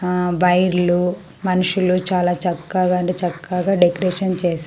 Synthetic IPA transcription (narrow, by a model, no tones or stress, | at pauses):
ʋɐjɾlu | mɐnuʂulut͡ʃaːlaːt͡ʃɐkːaɡaɐɳʈeːt͡ʃɐkːaɡaːɖekɾeːʃʂɐnt͡ʃeːs